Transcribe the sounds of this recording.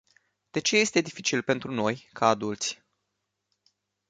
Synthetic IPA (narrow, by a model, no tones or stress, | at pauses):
d̪̥e̞t͡ʃe̞je̞st̪e̞d̪ifit͡ʃilpe̞nt̪ɾuno̞jkʰaːd̪ult̪sʲ